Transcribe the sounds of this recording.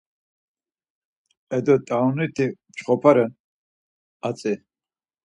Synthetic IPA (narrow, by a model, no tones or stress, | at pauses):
ɛd̪ɔt̪ʼawnit̪ʰi | t͡ʃχɔpʰaɾɛ | at͡sʼi